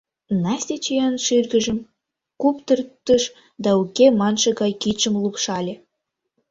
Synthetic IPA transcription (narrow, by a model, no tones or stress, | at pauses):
nɑsʲt̪ʲet͡ɕijɑnʃirɡə̆ʒə̆m | kupt̪ərt̪ːəʃ | d̪ɑukʲemɑnʃə̆ɡɑjkit͡ʃə̆mlˠupʃɑlʲĕ